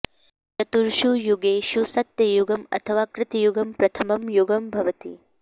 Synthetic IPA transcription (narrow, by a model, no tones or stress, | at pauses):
t̪ɐt̪uɾʃujuɡeːʃusɐt̪jɐjuɡɐmɐ̰t̪ʰɐʋaːkɾɪt̪ijuɡɐmpɾɐt̪ʰɐmɐmjuɡɐmbʱɐʋɐt̪ḭ